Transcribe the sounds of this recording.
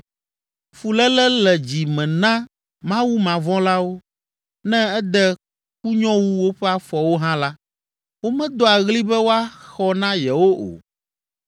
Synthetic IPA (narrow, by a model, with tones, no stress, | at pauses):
fu˨lɛ˦lɛ˦lɛ˨d͡ʑi˨mɛ̃˨nã˦ | mã˦wu˦mã˨vɔ̃˦la˦wo˦ | nɛ̃˦ɛ˦d̪ɛ˦ | ku˦ɲɔ̃˦wu˦wo˦ɸɛ˦a˦fɔ˨wo˦ɦã˦la˦ | wo˦mɛ̃˦d̪o˦a˨ɣli˦bɛ˦wo˦a˦xɔ˦nã˦jɛ˨wo˦ʔo̰˨